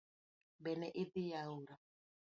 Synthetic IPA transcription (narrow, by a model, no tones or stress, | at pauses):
bɛnɛʔid̪ijauɾa